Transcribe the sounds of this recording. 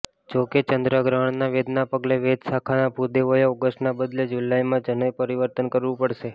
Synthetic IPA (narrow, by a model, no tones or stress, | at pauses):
d͡ʒoket͡ʃənd̪ɾəɡɾaɳ̃naʋed̪napəɡleʋed̪sakʰanabʱud̪eʋəjaɔɡəsʈnabəd̪led͡ʒulaimãd͡ʒənəjpəɾiʋəɾt̪ənkəɾʋũpəɽʃe